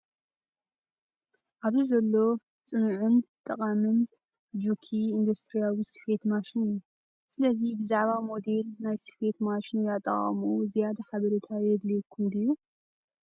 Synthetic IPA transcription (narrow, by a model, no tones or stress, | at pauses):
ʔaβzizɐlːo̞ | t͡sʼɨnuʕɨnt̪ʼɐqʼamɨn | d͡ʒukʰiind̪ust̪ɾijawisɨ̥fe̞t̪maʃinɨjːu | sɨlɐzibɨzaʕβamo̞d̪e̞lnajsɨ̥fe̞t̪maʃinjat̪ʼːɐ̰χʼɐ̰muzijad̪aħaβɐɾit̪ʰajɛd̪likʰːumd̪ɨju